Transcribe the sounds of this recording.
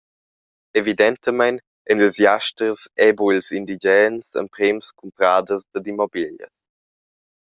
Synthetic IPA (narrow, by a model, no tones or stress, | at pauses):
evid̪ɛnt̪əmajn | ɛnlzjaʃtɾəsɛbuilsind̪id͡ʒɛnsə̰mpɾɛmskʰumpɾaːdəzd̪ədimɔbiljə̰s